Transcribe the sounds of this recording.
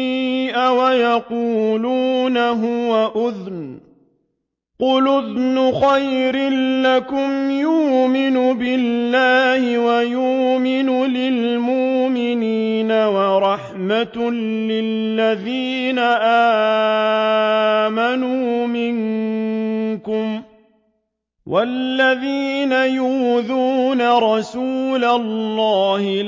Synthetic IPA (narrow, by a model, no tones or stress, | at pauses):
iʔawajaquːluːnaɦʊwaʔʊðn | qʊlʊðnʊxajɾɪːakʊmjʊːmɪnʊbɪlːaːhɪwajuːmɪnʊlɪlmʊʔmɪniːnawɑɾˤɑħmat̪ | lɪlːaðiːnaʔaː | manuːmɪŋ | kʊm | wʔalːaðiːnajuːðuːnaɾˤɑsuːlalːɑːhɪ